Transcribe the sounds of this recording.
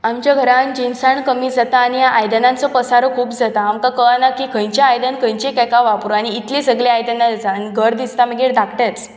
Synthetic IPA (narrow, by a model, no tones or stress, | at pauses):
amt͡ɕjaɡʱəɾãnd͡ʑinsaɳkəmiːd͡zat̪aːɽ̃ijaʔajd̪ənãnt͡sɔpəsaɾɔkʰuːpd͡zat̪aːmkakəanakikʰə̃jt͡ɕjaːjd̪ənkə̃jt͡ɕekajkaʋapɾuaɽ̃iːt̪lesəɡleajd̪ənːad͡zanɡʱəɾd̪ist̪aməɡeɽd̪ʱakʰʈet͡s